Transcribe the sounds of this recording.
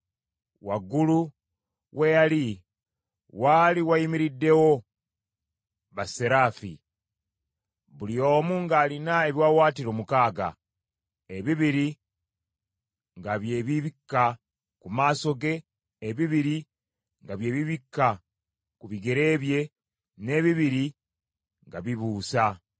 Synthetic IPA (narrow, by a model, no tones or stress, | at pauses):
waɡulu | we̞jali | waliwajimiɾidːe̞wo̞ | βaseɾaːfḭ | βulio̞ːmuːŋɡaːlinae̞βjaːwaːtiɾo̞ːmukaːɡa̰ | eβiβiɾi | ŋɡaβje̞ːβiβikːa | kumaːso̞ɡe̞ː | βiβiɾi | ŋɡaβje̞ːβiβikːa | kuβiɡe̞ɾe̞ːβje̞ | ne̞ːβiβiɾi | ŋɡaβiβuːsa